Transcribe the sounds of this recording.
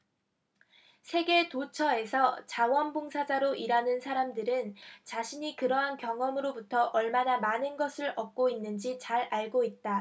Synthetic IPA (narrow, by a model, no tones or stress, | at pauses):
sʰe̞ɡe̞tot͡ɕʰʌe̞sʰʌt͡ɕawʌnboŋsʰad͡ʑaɾoʔiɾanɯnsʰaɾamdɯɾɯnt͡ɕaɕʰiɲikɯɾʌɦankjʌŋʌmɯɾobutʰʌʔʌɭmanamanɯnɡʌsʰɯɾʌp̚k͈oinːɯnd͡ʑit͡ɕaɾaɭɡoit̚t͈a